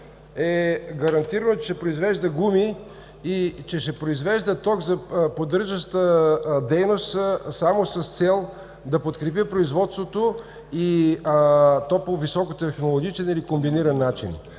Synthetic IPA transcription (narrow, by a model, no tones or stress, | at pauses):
ɛɡɐɾɐnt̪iɾənot͡ʃɛʃɛpɾoizvɛʒd̪əɡumi | it͡ʃɛʃɛpɾoizvɛʒd̪ət̪ɔɡzɐpod̪əɾʒəʃt̪əd̪ɛjnost̪samosɐst̪sɛlˠ | d̪ɐpot̪kɾɛp̬ipɾoizvɔt̪st̪vot̪o | i | t̪ɔpovisɔkot̪ɛxnolˠoɡ̟ʲit͡ʃɛnilikombiniɾɐnːat͡ʃḭn